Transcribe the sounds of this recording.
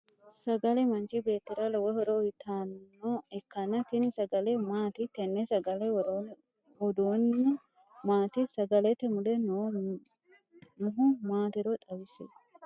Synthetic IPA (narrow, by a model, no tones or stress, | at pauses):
sɐɡɐlɛmɐnt͡ʃɪbe̞ːt̪ːɪɾɐlɔwɔhɔɾoɪt̪ʰaːnːoɛkːɐnɐt̪ɪnɪsɐɡɐlemaːt̪ɪt̪ɛnːɛsɐɡɐlɛɾo | wɔd̪unːɛ | maːt̪ɪsɐɡɐlɛt̪ːɛmʊlɛn | nʊɦʊmaːt̪ɪɾot̪ʼɐbɪsḛ